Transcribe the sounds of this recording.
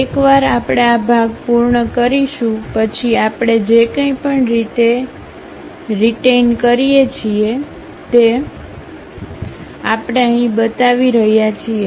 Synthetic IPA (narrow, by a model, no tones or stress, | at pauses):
ekʋaɾapɽ̃eabʱaɡpuɾɳəkəɾiʃũpət͡ʃʰiapɽ̃ed͡ʒekə̃ĩpəɳɾit̪e | ɾiʈenkəɾijet͡ʃʰie | t̪e | apɽ̃eəɦĩbət̪aʋiɾəɦjat͡ʃʰie